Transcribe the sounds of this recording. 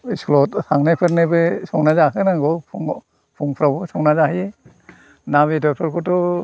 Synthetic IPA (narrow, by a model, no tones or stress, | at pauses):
isklɔthaŋnapʰɯɾnebɯsɔŋnazaɦɯnaŋɡɔpŋ | pʰuŋpʰɾabɔsɔŋnazahɯje | naβedɔpʰɔɾkʰɔtɔ